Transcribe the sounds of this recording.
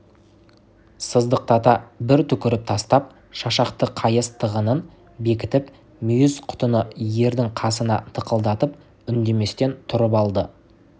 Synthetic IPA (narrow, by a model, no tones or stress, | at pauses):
səzd̪əq̚t̪ʰɑt̪ɑbɪɾt̪ʰʏkʲɪɾɪp̚t̪ʰɑst̪ɑp̚ | ʃɑʃɑqt̪əqʰɑjəst̪ʰəʁənən | be̞kʲɪt̪ɪp | mʏjɪzqʰʊ̥t̪ənəje̞ɾd̪ɪŋqʰɑsənɑ̰t̪ʰəqəlˠd̪ɑt̪əp̚ | ʏnd̪e̞me̞st̪e̞nt̪ʰʊɾəp̬ɑlˠd̪ə